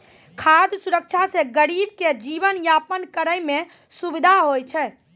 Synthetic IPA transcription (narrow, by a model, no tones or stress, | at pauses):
kʰad̪ʱsuɾək̚t͡ʃʰaseɡəɾib̚ked͡ʒibənjapənkəɾəjme | subid̪ʱaɦojt͡ʃʰɛ